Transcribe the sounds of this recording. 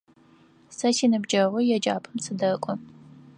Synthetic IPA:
sɐsiːnɨbd͡ʒɐʁʷʊjɛd͡ʒaːpʰɨmsʰɨdɐkʷʼɔ

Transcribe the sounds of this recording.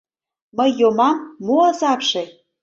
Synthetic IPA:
məjːomɑmːoɑzɑpʃe

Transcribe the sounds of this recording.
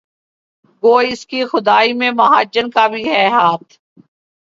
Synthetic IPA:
ɡoːɪskixʊd̪aːimẽmɐɦaːd͡ʒənkabʱiːɦɛɦaːt̪ʰ

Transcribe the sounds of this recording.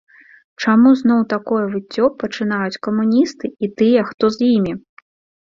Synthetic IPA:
t͡ʂamuznɔwt̪akɔjɐvɨt͡sʲːɔpɐt͡ʂɨn̪ajut͡sʲkɐmunʲist̪ɨit̪ɨjɐxt̪ɔzʲjimʲi

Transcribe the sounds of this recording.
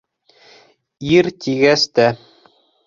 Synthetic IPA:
iɾt̪iɡæst̪æ

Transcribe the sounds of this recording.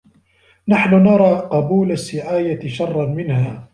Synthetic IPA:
naħnʊnɑɾˤɑːqɑbuːlasːɪʕaːjaʃɑrˤːɑnmɪnhaː

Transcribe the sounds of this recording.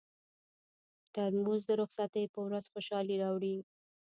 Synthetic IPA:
t̪aɾmuzd̪əɾʊxsat̪əjpəwɾazxoʃɑliɾɑwɽi

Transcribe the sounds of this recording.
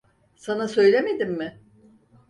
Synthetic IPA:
sanasø̞jlʲeme̞d̪imːɪ

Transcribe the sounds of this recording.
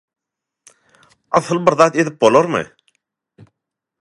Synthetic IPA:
ɑθɯlˠbɪɾðɑt̪ed̪ip̚bolˠoɾmɨ̰

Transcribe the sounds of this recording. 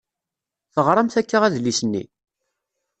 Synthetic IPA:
θəʁɾˤɑmθækːaʁæðlisənːḭ

